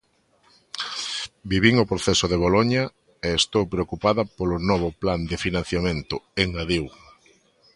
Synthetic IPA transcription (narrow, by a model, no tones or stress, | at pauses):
biβiŋopɾoθesʊðeβ̞oloɲɐ | eːst̪owpɾeokupaðɐpolʊnɔβ̞ʊpland̪ɪfinãn̟θjamẽnt̪ʊeŋaðiw